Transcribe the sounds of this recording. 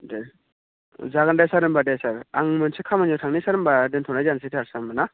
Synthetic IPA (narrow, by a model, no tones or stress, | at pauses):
de | zaɡandasaɾɯmbadesaɾaŋmɯnsʰekʰamanɔtʰaŋnisaɾɯmbadentʰɔnajzansetʰaɾsamana